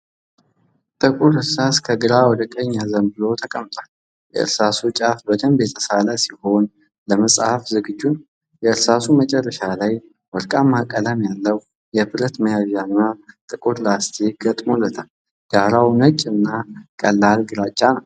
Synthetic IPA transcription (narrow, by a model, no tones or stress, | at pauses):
t̪ʼɨkʼuɾhɨɾsaskʰəɡɨɾawɔd̪əkʼəɲːazəmbɨlo̞t̪ʰəkʼəmt̪ʼwal | jɛ̰ɨ̰ɾsasut͡ʃʼafbəd̪əmbe̞t̪ʰəsalasiho̞n | ləməsʼhafzɨɡɨd͡ʒːun | jɛɨɾsasumət͡ʃʼɛrːəʃalaj | wɔɾkʼamːakʼːələmjalːəw | jɛbɨɾət̪məjaβijanːat̪ʼɨkʼuɾlast̪ʰe̞ɡət̪ʼmo̞lːət̪ʰal | ɡ̥aɾawnət͡ʃʼːɨnːakʼəlːalɡɨɾat͡ʃʼːanəw